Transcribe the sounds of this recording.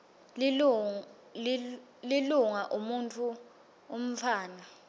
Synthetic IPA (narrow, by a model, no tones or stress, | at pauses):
l | liluŋaʔumuntʰu | om̩fʰaːna